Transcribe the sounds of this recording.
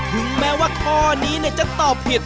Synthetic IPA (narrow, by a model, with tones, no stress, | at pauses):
t̪ʰɯ˨˦ŋmɛː˦˥waː˥˩kʰɔː˧niː˦˥ni˥˩t͡ɕa˨˩t̪ɔː˨˩p̚hi˨˩t̪̚